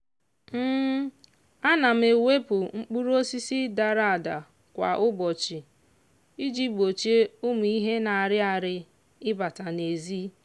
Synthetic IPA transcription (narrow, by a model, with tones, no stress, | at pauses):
m̩˦ | a˦na˨m̩˦e˨we˦pʊ˨ŋ͡m̩˦k͡pu˦ɾo˦si˦si˦da˨ɾa˨da˨ | kʷa̰˨ʔʊ˦bɔ˨t͡ʃi˨ | i˦d͡ʒi˦ɡ͡bo˨t͡ʃe˦ʊ˦m˨i˦ɦe˦na˨a˨ɾɪ˦a˨ɾɪ˦ | ɪ˦ba˨ta˨ne˨zi˦